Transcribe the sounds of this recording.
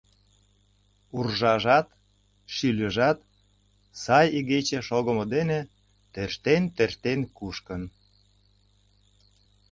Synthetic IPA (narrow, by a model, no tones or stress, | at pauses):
urʒɑʒɑt̪ | ʃylʲəʒɑt̪ | sɑjiɣet͡ɕeʃoɣəməd̪ene | t̪øʃt̪ent̪ert̪enkuʃkən